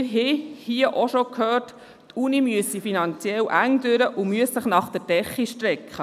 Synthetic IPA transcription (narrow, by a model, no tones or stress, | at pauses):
ɪɾɦɛhiəʔoʃɔkʰhøːrt | tʰunimyəsifinɑnt͡sjɛlʔæŋdøɾəʔʊmyəssəχnɑχd̥ɛɾd̥ɛχːiʃtɾɛkχə